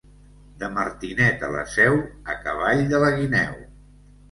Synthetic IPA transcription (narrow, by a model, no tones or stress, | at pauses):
d̪əməɾt̪inɛt̪ələ̰sɛwəkəβ̞aʎd̪ələɣinɛw